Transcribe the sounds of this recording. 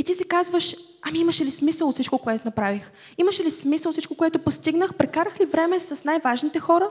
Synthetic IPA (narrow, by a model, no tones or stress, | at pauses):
it̪isɛkazvəʃ | ɐmiiməʃɛlismisəlˠot̪sit͡ʃkokoɛt̪onɐpɾavix | iməʃɛlismisəlˠofsit͡ʃkokoɛt̪opost̪iɡnəxpɾɛkaɾəxlivɾɛmɛsɐsnajvaʒnit̪ɛxɔɾə